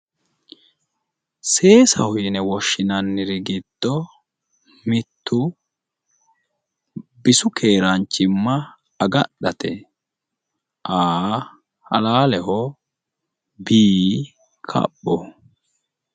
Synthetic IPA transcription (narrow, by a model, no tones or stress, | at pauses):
se̞ːsɐ̰hʊjɪnɛwɔʃːɪnɐnːɪɾɪɡɪd̪̥ːɔ | mɪt̪ʰːʊ | bɪsʊkʰe̞ːɾɐnt͡ʃːɪmːɐ | ɐɡɐɗɐt̪ɛ | ʔaː | hɐ̰laːlɛhɔ | biː | kʰɐ̰ɓːɔ